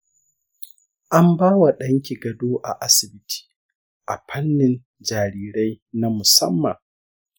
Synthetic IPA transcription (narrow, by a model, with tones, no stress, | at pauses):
ʔa˦mbaː˦wa˨ɗɐ˦ŋkʲi˨ɡɐ˨doː˦ʔa̰˨ʔa˦sɪ˨bɪ˦tʰi̥ː˨ | ʔa̰˨ɸʰɐ˦nːɪ˨n | d͡ʒaː˨ɾiː˦ɾa˦jna˦mʊ˨sɐ̰˦mːɐ̰˨ŋ